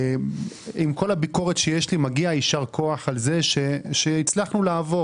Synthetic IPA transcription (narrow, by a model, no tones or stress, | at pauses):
imko̞labiko̞ʁet̪ʃejeʃlimaɡiaiʃaʁkʰo̞aχalze̞ʃeʃeit͡slaχnulaːvo̞